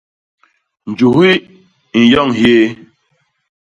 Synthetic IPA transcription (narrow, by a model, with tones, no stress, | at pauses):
n̩˨d͡ʒu˨ɦi˦ | n̩˨jɔ˦˨ŋhje˦